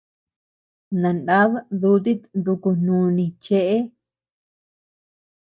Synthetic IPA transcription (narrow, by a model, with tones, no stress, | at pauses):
nã˨nã˦βðu˧˦t̪i˦nd̪u˧ku˧n̥ũ˧nĩ˧t͡ʃe˦ʔe˦